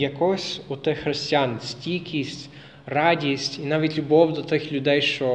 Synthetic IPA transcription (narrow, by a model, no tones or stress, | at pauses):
jɐkɔsʲʊt̪ɛxɾesʲtʲiansʲtʲikʲisʲtʲ | rɑdʲisʲtʲinɑʋʲitʲlʲʊbɔwd̪ɔt̪ɪxlʲʊd̪ɛjʃt͡ʃɔ